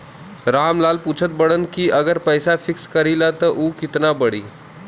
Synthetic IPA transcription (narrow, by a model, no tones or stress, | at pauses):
ɾamlaːlput͡ʃʰət̪̚bəɽənkiʔəɡəɾpəjsafikskəɾilat̪əʔuːkɪt̪nabəɽḭː